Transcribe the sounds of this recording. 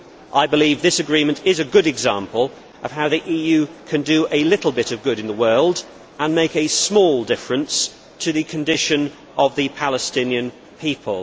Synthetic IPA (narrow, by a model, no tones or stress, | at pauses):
ʔaɪbəliːvðɪsɨɡɹĩmə̃ntɪzɨɡʊɾɨɡzɑ̃mpəlˠ | ʔəv̥ɦaʊðiʔijʉkʰɨ̃ndɨʔɨlɪɾˡl̩ˠbɪɾəvɡʊɾɨ̃nðəwɜːlˠd | ə̃nmeɪkɨsmɔːlˠdɪfɹə̃ns | tʰɨðɨkʰɨ̃ndɪʃɨ̃n | əvðɨpʰaləstɪ̃njɨ̃n | pʰiˑpʰə̰lˠ